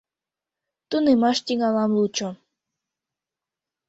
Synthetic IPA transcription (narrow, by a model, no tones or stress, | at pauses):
t̪unemɑʃt̪iŋɑlɑmlut͡ɕo